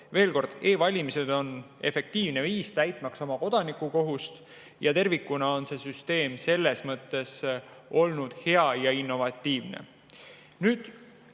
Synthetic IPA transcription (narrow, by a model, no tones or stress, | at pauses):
ve̞ːlko̞rd̪̥e̞ːvɑlʲimise̞d̪̥o̞ne̞fe̞k̚t̪iːvne̞viːst̪æjt̪ˑmɑkso̞mɑko̞d̪̥ɑnikːˑuko̞ɦust̪ | jɑt̪e̞rvikːunɑo̞nse̞syst̪e̞ːmse̞lːe̞smɤt̪ːˑe̞so̞lnud̪̥he̞ɑjɑinːo̞vɑt̪ːiːvnḛ | nyːd̪̥